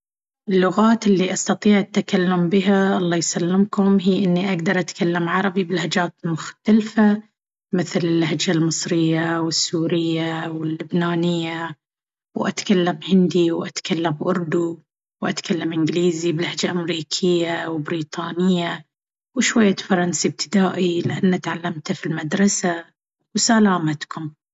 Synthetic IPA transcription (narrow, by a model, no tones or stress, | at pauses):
ʔɪlːʊɣaːt̪ɪlːiʔast̪ɑt̪ˤiːʕat̪ːakalːʊmbɪɦaʔɑlˤːɑːjsalːɪmkʊmɦiːʔɪnːiʔaɡd̪ɑɾˤʔat̪kalːamʕɑɾˤɑbibɪlahad͡ʒaːt̪mʊxt̪alfa | mɪθlɪlːahad͡ʒalmɨsˤɾɪjːawɪsːuːɾɪjːawɪlːʊbnaːnɪjːa | wʔa̰t̪kalːamhɪnd̪iwʔat̪kalːambʔʊɾd̪u | wʔat̪kalːamʔɪnɡliːzibɪlahd͡ʒaʔamɾiːkʰɪjːawɪbɾiːt̪ˤɑːnɪjːa | wɪʃwajːafɑɾˤɑnsib̚t̪ɪ̥d̪aːʔilɪʔanːat̪ʕalːamt̪filmad̪ɾˤɑsa | wsalaːmat̪kʊm